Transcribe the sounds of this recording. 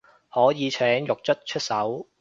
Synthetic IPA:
hɔː˨˥jiː˨˧t͡sʰɛː˨˥ŋjʊ˨k̚t͡ʃʰɵ˥t̚t͡ʃʰɵ˥t̚sɐ˨˥w

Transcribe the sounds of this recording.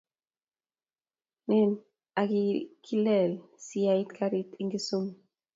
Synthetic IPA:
nɛ˦n | aɡi˦kʰi˦lɛ˨lsi˨ai˦t̪kʰaɾi˦t̪iŋɡi˦su˦m

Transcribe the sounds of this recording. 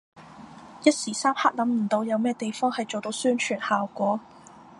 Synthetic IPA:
jɐ˥t̚siː˨˩saː˥mhaː˥lɐ˨˧˥mm̩˨˩t̪o˨˧wjɐ˨˧wmɛː˥t̪e˨jfɔː˥ŋhɐ˨jt͡so˨wt̪o˨˧˥wsyː˥nt͡ʃʰyː˨˩nhaː˨wkʷɔː˨˥

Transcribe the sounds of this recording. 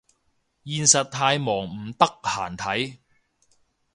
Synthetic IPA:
jiː˧nsɐ˨t̚t̪ʰaː˧jmɔː˨˩ŋm̩˨˩t̪ɐ˥k̚haː˨˩nt̪ʰɐ˨˥j

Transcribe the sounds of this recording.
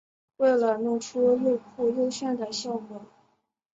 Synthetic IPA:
we˥˩ɪlə˨˩nʊ˥˩ŋʈ͡ʂʰu˥lu˥˧pʰu˥˧jo˥˧ʊɕɥɛ˥˩nd̪ə˩ɕjɑ˥˧ʊkwɔ˨˩˦

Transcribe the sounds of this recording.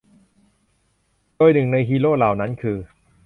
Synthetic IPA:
doː˧jnɯ˨˩ŋna˧jɦiː˧loː˥˩laː˨˩wna˦˥nkʰɯː˧

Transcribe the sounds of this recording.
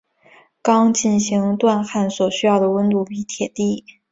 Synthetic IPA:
kɑ˥ŋt͡ɕi˥˩nɕi˧˥ŋt̪wa˥˧nxa˥˩nswɔ˨˩ɕy˥jɑ˥˩ʊd̪ə˩wə˥nt̪u˥˩pi˧˥t̪ʰjɛ˨˩t̪i˥˩

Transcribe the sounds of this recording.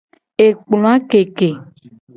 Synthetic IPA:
e˨k͡plõ˨a˦ke˨ke˨

